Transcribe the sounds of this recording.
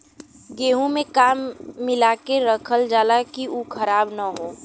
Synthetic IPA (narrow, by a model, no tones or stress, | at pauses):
ɡeːɦũmẽkaːmːɪlaːkeɾəkʰəld͡ʒaːlakiuːkʰəɾaːbnaɦoː